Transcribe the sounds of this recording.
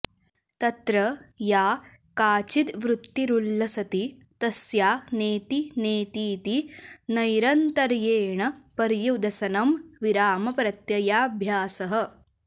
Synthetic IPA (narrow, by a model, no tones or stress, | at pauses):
t̪ɐt̪ɾɐjaː | kaːt͡ʃid̪ʋɾut̪ːiɾulːɐsɐt̪i | t̪ɐsjaːneːt̪ineːt̪iːt̪inɐjɾɐnt̪ɐɾjeːɳɐpɐɾjud̪ʱɐsɐnɐmʋiɾaːmɐpɾɐt̪jɐjaːbʱjaːsɐɦɐ̆